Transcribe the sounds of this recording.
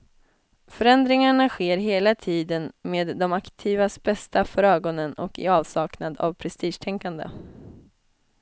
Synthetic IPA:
fœɾɛnd̪ɾɪŋaɳaɧeːɾɦeːlat̪ʰiːd̪ənmeːd̪ːɔmakt̪ʰiːvasbɛst̪afœɾøːɡɔnənɔ̰kɪ̰ɑːvsɑːknad̪a̰vpʰɾɛst̪iːʂʈ̪ʰɛŋkand̪ə̰

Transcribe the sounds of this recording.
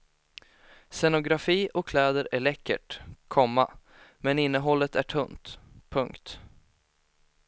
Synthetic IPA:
sɛnʊɡɾafiːʔɔkʰlɛːd̪əɾæɭɛkːə̰ʈkʰɔmːa | mɛnɪnːəɦɔlːət̪æʈʰɵnt̪pʰɵŋkt̪

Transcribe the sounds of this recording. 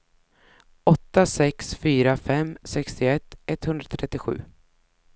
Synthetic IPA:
ɔt̪ːasɛksfyːɾafɛmsɛkst̪ɪɛt̪ːɛt̪ːhɵnɾat̪ʰɾɛt̪ːɪɧʉ̟̰ː

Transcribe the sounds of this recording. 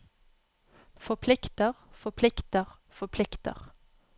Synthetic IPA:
fɔpʰlɪkt̪əʁfɔpʰlɪkt̪əʁ | fɔpʰlɪkt̪ə̰ʁ

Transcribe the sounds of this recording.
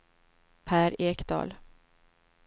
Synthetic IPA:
pʰæːɾeːkd̪ɑ̰ːl

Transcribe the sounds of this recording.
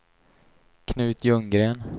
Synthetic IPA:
kʰnʉ̟ːt̪jɵŋɡɾeːn

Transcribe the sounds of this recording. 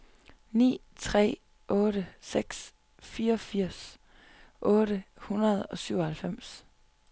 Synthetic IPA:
nḭːt͡sʰʁɛ̰ː | ʔɔ̽ːɾəseɡ̥s | fiːɐɒ̽fiɐ̰s | ʔɔ̽ːɾəhunɐð̞̩ˠɒ̽syʊ̰ɒhælfem̰s

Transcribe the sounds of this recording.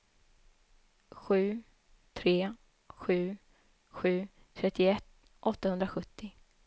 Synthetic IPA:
ɧʉ̟ː | t̪ʰɾeː | ɧʉ̟ː | ɧʉ̟ː | t̪ʰɾɛt̪ʰːɪɛt̪ː | ʔɔt̪ːahɵnd̪ɾaɧɵt̪ʰːɪ

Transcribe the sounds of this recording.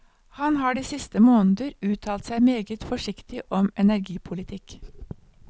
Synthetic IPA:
hɑnhɑːɖiːsɪst̪əmoːnəd̪əɾʉːt̪ʰɑːlt̪sæɪmeːɡət̪fɔʃɪkt̪ɪʔɔmɛnæɾɡiːpʰʊlɪt̪ʰɪk

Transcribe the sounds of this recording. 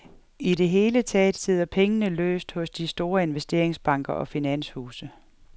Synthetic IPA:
iɾe̝ɦe̝ːlət͡sʰɛ̰ːd̥se̝ð̞̰ˠɐpʰeŋənəlø̰ːsd̥hɔ̽sd̥isd̥o̝ːɐe̝nʋesd̥e̝ɐeŋsb̥ɑ̈ŋ̰ɡ̥ɐʔɒ̽finæn̰shuːsə

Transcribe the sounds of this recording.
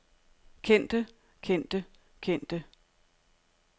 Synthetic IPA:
kʰen̰d̥ə | kʰen̰d̥ə | kʰen̰d̥ə

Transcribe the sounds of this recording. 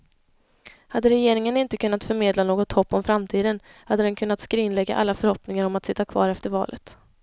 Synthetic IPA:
had̪ːəɾɛjeːɾɪŋənɪnt̪əkʰɵnːat̪fœɾmeːd̪lanoːɡɔt̪hɔpːɔmfɾamt̪ʰiːd̪ən | had̪ːəd̪ɛnkʰɵnːat̪skɾɪnlɛɡːa̰ʔa̰lːafœɾhɔpnɪŋaɾɔmat̪sɪt̪ːakʰvɑ̰ːɾɛft̪əɾvɑ̰ːlʔə̰t̪

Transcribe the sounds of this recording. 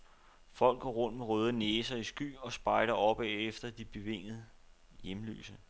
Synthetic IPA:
fɒ̽l̰ɡ̥ɒ̰ːʁɔ̽n̰d̥meʁœːð̞ˠəneːsɐisɡ̥y̰ːɒ̽sb̥ɑ̈ɪlɐɒ̽b̥ɛefd̥ɐd̥ib̥e̝ʋe̝ŋ̰ð̩ˠ | jemly̰ːsə

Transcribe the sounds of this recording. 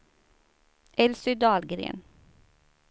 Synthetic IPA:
ʔɛlsʏd̪ɑːlɡɾḛːn

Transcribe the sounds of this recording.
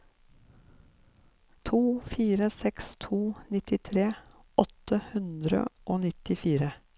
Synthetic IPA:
t̪ʰuːfiːɾəsɛkst̪ʰuːnɪt̪ɪt̪ʰɾeː | ɔt̪əhʉnd̪ɾə̰ʔoːnɪt̪ɪfiːɾə

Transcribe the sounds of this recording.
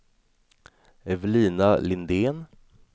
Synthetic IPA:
ɛvliːnalɪnd̪eːn

